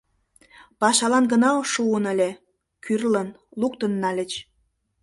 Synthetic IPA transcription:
pɑʃɑlɑnɡənɑoʃuənə̆lʲe | kyrlən | lukt̪ənːɑlʲət͡ɕ

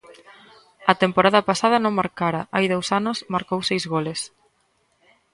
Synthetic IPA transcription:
ɐt̪empoɾaðɐpasaðɐnõŋmaɾkaɾɐajðowsanʊsmaɾkowsejzɣoles

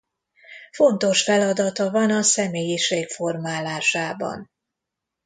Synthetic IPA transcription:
fo̞nt̪o̞ʃfɛlɒd̪ɒt̪ɒvɒnɒsɛmeːjiʃeːkfo̞rmaːlaːʃaːbɒ̰n

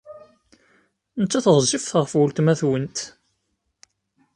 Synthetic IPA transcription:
nət͡sːæθəʁˤzːifθʁəfwəlt̪mæθwənt̪

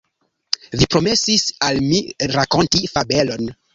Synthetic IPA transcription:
vipɾome̞sisalmiɾako̞ntifabelo̞n

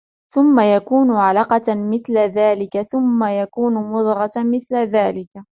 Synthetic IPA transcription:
θʊmːajakuːnʊʕalɑqɑmɪθlaðaːlɪkaθʊmːajakuːnʊmʊðˤɣɑtmɪθlaðaːlɪka

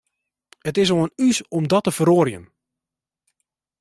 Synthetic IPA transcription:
ətɪs̬oənysɔmdɔtəfəɾoərjə̰n

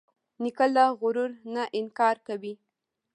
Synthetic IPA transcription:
nikəlaɣʊɾuɾnaʔɪŋkɑɾkawi

